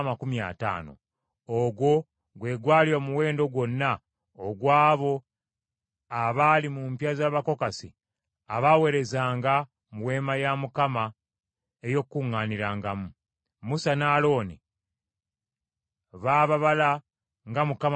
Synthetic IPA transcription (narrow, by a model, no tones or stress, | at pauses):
makumja̰ta̰ːno̞̰ | oɡwo̞ | ɡwe̞ːɡwaːliwomuwe̞ːndo̞ɡwo̞nːa | oɡwaːβo̞ | aβalimumpjazaːβako̞kasḭ | aβawe̞ɾe̞zaːŋɡa | muwe̞ːmajamukama | e̞jo̞kːuŋːaːniɾaːŋɡamu | musanaːlo̞ːni | βaːβaβala | ŋɡamukam